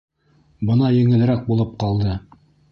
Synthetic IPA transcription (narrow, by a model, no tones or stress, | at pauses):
bɤnɑjɘ̆ŋɘ̆l̆ɾæk̚bulˠɤp̚qɑlˠd̪ɤ